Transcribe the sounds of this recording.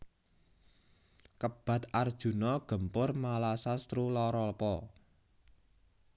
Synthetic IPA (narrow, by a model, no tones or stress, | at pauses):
kəb̥ä̤t̪ard̥ʒ̥ṳnɔɡ̥ə̤mpʊrmalasast̪ɾulɔɾɔlpɔ